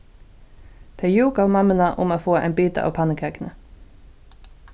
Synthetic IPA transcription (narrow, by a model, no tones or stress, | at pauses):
d̪̥ʰejuːkɑʋmɑmənɑʔʊ̰moːfoːḛːnbyːt̪əɑ̰ːpʰɑnəkʰeːkənə